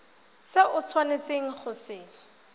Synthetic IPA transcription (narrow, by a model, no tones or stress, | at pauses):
sɪʔʊt͡sʰwanet͡seŋ̩χʊsɪː